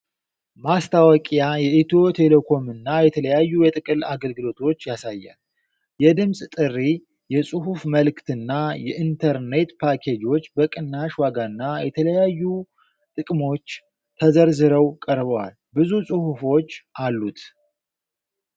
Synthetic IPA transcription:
mast̪ʰawɔkʼjajɛʔit̪ʰo̞t̪ʰe̞lekʰo̞mɨnːajɛt̪ʰələjajːujɛt̪ʼɨkʼɨlaɡəlɡɨlo̞t̪ʰo̞t͡ʃːjasajːa̰n | jɛd̪ɨmsʼt̪ʼɨrːi | jɛsʼɨɦufməlɨkt̪ɨnːajɛʔint̪ʰəɾne̞t̪pʰakʰed͡ʒo̞t͡ʃːbəkʼɨnːaʃwaɡaɨnːajɛt̪ʰələjajːu | t̪ʼɨkʼmo̞t͡ʃː | t̪ʰəzəɾzɨɾəwkʼəɾbəwa̰l | bɨzusʼɨhufo̞t͡ʃːʔalːut̪

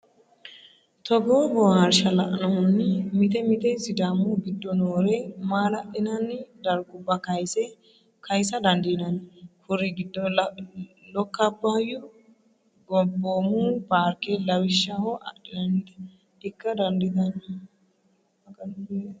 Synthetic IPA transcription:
t̪ɔɡoːbɔwhɐɾʃɐlɐʔɐnɐhʊnːɪmɪt̪ɛmɪt̪ɛsɪd̪aːmːuɡɪd̪ːɔnoːɾemaːlɐʔɪnɐnːɪd̪ɐɾɡʊbːɐkɐjsɛ | kʰɐjsɐd̪ɐnd̪ɪnɐnkʰʊɾːɪɡɪd̪ːɔ | lɔkːɐbːɐjʊ | ɡɔboːmuːnpaːɾkelɐwɪʃːahɔʔɐ̰ʔɪnɐnd̪ | ɪkːɐd̪ɐnd̪ɪt̪ɐn | ɐkɐn

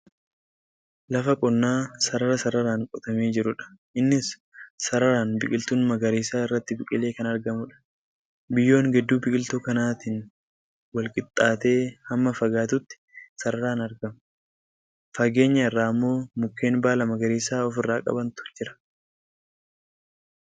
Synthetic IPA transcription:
lɐfɐkʼɔnːaːsɐɾɐɾɐsɐɾɐɾaːŋkʼɔt̪ɐmeːd͡ʒɪɾʊᶑɐ̥ʔɪnːɪsː | ɐɾɐɾaːnbɪkʼɪlt̪uːnmɐɡɐɾeːsaːɪrːɐt̪ːɪbɪkʼɪle̞ːkɐnɐɾɡɐmʊᶑɐ̥ | bɪjːo̞ːŋɡɛd̪ːuːbɪkʼɪlt̪uːkɐnaːt̪ɪːn | wɐlkʼɪt̪ʼːaːt̪e̞ːhɐmːɐfɐɡaːt̪ʊt̪ːɪ̥sɐɾɐɾaːnɐɾɡɐm | fɐɡe̞ːɲːɐɪrːaːɐmːo̞ːmʊkːe̞ːnbaːlɐmɐɡɐɾiːsaːɔfɪrːaːkʼɐ̰bɐnt̪ʊ̥d͡ʒɪɾɐ̥

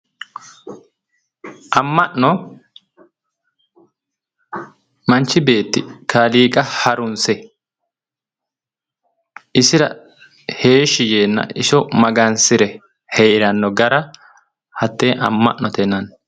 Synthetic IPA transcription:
ʔɐmːɐʔnɔ | mɐnt͡ʃːɪbe̞ːt̪ːɪkaːliːkʼɐhɐɾʊnsɛ | ʔɪsɪɾɐ̰ | he̞ːʃɪjeːnːɐ̰ʔɪʃɔmɐɡɐnsɪɾɛ | hɛjɪɾɐnːɔɡɐɾɐ | hɐt̪ːeːʔɐ̰mːɐ̰ʔnɔt̪ɛnːɐn

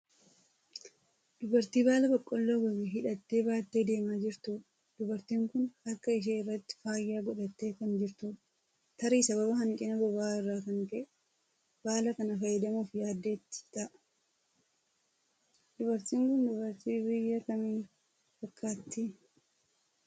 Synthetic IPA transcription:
d̪̥ʊbɐɾt̪iːbaːlɐbɐkʼːɔlːoːɡɐbiɦɪᶑɐt̪ːe̞ːbaːt̪ːe̞ːd̪e̞ːmaːd͡ʒɪɾt̪u | d̪̥ʊbɐɾt̪iːŋkʊnɐkːɐɪʃ̬eːɪrːɐt̪ːɪ̥faːjːaːɡɔᶑɐt̪ːe̞ːkɐnd͡ʒɪɾt̪u | t̪ɐɾiːsɐβɐbɐɦɐŋkʼɪnɐbɔbaːɪrːaːkɐŋkɐʔ | b̥aːlɐkɐnɐfɐjːɛd̪ɐmuːfjaːd̪ːeːt̪ːɪ̥ɪt̪ɐʔ | d̪̥ʊbɐɾt̪iːŋkʊnd̪ʊbɐɾt̪iːbɪjːɐkɐmiː | fɐkʰʼːaːt̪ːi

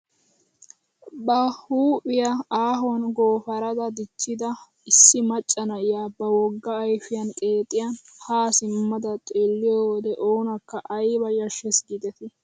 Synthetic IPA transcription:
bɐhuːpʼɪjɐaːɦɔnɡoːfɐɾɐd̪ɐd̪ɪt͡ʃːɪd̪ɐ | ɪsːɪmɐt͡ʃʼːɐnɐɪjabɐwɔɡːɐːjfɪjɐnkʼeːt̪ʼːɪjɐn | haːsɪmːɐd̪ɐt̪ʼeːlːɪjod̪ɛʔoːnɐkːɐʔɐjbɐjɐʃɛsɡid̪ɛt̪ɪ

